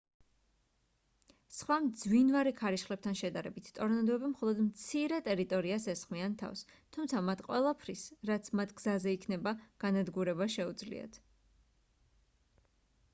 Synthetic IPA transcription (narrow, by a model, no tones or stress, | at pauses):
sχwamd̪zwinvaɾɛkʰaɾiʃχlɛp̚t̪ʰanʃɛd̪aɾɛbit̪ʰt̪ʼɔɾnad̪ɔɛbimχɔlˠɔd̪mt̪sʰiɾɛt̪ʼɛɾit̪ʼɔɾiasɛsχmiant̪ʰa̰fs | t̪ʰumt̪sʰamat̪ʰqʼwɛlˠapʰɾisɾat̪sʰmat̪ʰɡ̥zazɛikʰnɛbaɡ̥anad̪ɡuɾɛbaʃɛud̪zlḭa̰t̪ʰ